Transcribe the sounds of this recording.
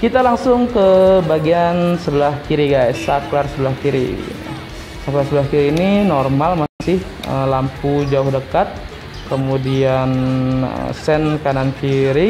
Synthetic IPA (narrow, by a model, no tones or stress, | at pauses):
kit̪alaŋsʊŋkəbaɡiansəbəlahkiɾiɡajsaklarsəbəlahkiɾḭ | saklarsəbəlahkiɾiːninɔrmalmasɪh | əlampud͡ʒauhdəkat̪̚ | kəmudianə̰sɛnkanankiɾi